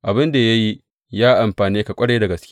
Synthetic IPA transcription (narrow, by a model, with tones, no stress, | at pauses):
ʔa˨bɪ˦nda˨jɐ˦ji˦ | jaː˦ʔa˨mɸaː˨niː˦ka˨kʷʼɐ˦ɽeː˦da˨ɡɐ˨skʲɪ̥˦